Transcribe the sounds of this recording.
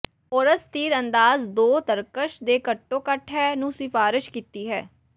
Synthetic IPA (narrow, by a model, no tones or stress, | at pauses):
oːɾəst̪iːɾənd̪aːzd̪oːt̪əɾkəʃd̪eːkəʈːõːkəʈʰɦɛːnũːsɪfaːɾɪʃkiːt̪iːɦɛː